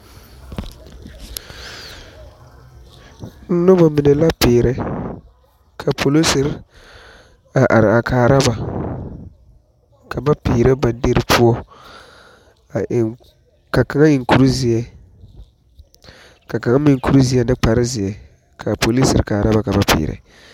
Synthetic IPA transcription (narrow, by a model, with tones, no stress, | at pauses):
n̩˦nʊ˦ba˨mɪ˨nɛ˨la˦pɪː˨ɾɛ˦ | kʰa˨pʰo˨lo˦sɪ˨ɾ | a˨ʔa˨ɾɪ˨a˨kʰaː˨ɾa˦ba˨ | kʰa˨ba˦pɪː˨ɾɛ˦ba˨de˦ɾɪ˦pʰu˦ɔ˦˨ | ka˨ka˨ŋa˦ɪ˨ŋku˨ɾu˦zɪ˨ɛ˦ | ka˨ka˨ŋa˦mɪ˨ŋku˨ɾu˦zi˨˦ɛ˦nɨ˦k͡pa˨ɾɪ˦zɪ˨ɛ˨ | kʰa˨po˨li˦sɪ̰˨ɾkaː˨ɾa˦ba˨ka˨ba˦pɪ̰ː˨ɾɛ̰˨